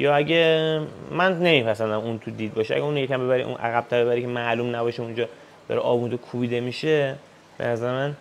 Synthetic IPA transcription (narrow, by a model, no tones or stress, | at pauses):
jɒːæɟʲe | mænne̞mipʰæsænd̪æmunt̪ʰud̪iːd̪̚bɒːʃeæ̰ɟæuːnjecʰæmbe̞βæɾḭʔṵnʔæ̰ɣæb̥̚t̪ʰæɾbeæɾikʰemæluːmnæbɒːʃeund͡ʒɒː | d̪̥ɒ̰ɾɛʔɒ̰ːbund̪okʰubiːd̪e̞miːʃe | b̥ḛnæzæɾemæn